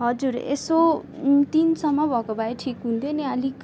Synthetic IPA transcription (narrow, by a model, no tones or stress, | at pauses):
ɦʌd͡zuɾḛsot̪insʌmːʌbʱʌkobʱaeʈʰikɦunt̪ʰoniʌlik